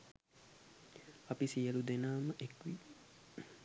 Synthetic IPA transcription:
apisijəlud̪enaːməʔekʋi

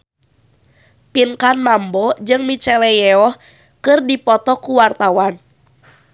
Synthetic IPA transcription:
pinkanmambɔd͡ʒɨŋmit͡ʃɛlɛjɛɔh | kɨrdipɔt̪ɔkuwart̪awan

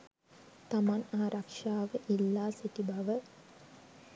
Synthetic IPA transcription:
t̪ɐmanaːɾʔɐkʂaːʋɐʔilːaːsit̪ibʱɐʋə

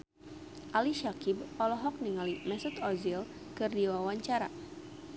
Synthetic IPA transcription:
ʔaliʃakib̚ɔlɔɦɔk̚niŋalimɛsut̪ɔzil | kɨrdiwawaɲt͡ʃaɾa̰

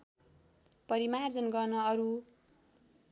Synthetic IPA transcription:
pʌɾimard͡zʌnɡʌrnʌʌɾu

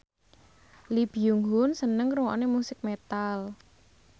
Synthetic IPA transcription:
lib̥ijuŋɦʊnsənəŋɾuwa̰nemusɪk̚met̪al

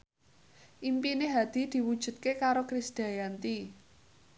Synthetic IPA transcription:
ʔimpineɦad̪̥i̤d̪̥i̤wud̥ʒ̥ṳt̪̚kekaɾokɾisd̪̥a̤jant̪i

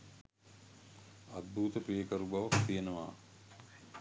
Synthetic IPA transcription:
ad̪̚bʱuːt̪əpijəkəɾubaʋakt̪ijenəʋa̰ː

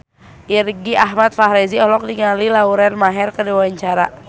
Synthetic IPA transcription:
ʔirɡiʔaɦmat̪̚faɦɾɛziɔlɔk̚diŋalilauɾɛnmaɦɛrkədiwawaɲt͡ʃaɾa̰

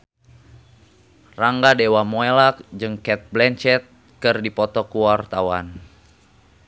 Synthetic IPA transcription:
raŋɡadɛwamɔelak̚d͡ʒɨŋkɛt̪̚blɛnt͡ʃɛt̪̚ | kɨrdipɔt̪ɔkuwart̪awan

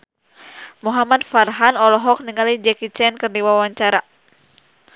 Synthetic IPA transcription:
muɦamatfarɦanɔlɔɦɔk̚niŋalid͡ʒɛkit͡ʃɛnkɨrdiwawaɲt͡ʃaɾa

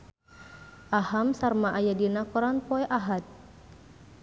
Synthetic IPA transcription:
ʔahamsarmaʔajadinakɔɾanpɔɛʔaɦat̪̚

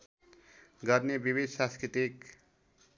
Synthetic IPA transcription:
ɡʌɾnebibid̪ʱsãskɾit̪ik

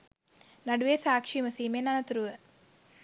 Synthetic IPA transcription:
naɖuʋeːsaːkʂiːməsiːmenanɐt̪uɾuʋə

